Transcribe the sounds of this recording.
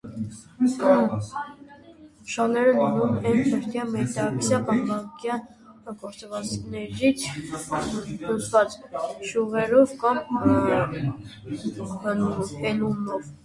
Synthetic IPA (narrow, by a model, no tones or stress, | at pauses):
əʃɑnɛɾənunumɛntʰəɾt̪jɑmɛt̪ɑksjɑpɑnbɑŋkjɑn | kɔɾt͡səvɑt͡snɛɾit͡sʰ | lut͡sʰvɑt͡sʃuʁɛɾɔvkɑm | hənuɔvɛlumɔv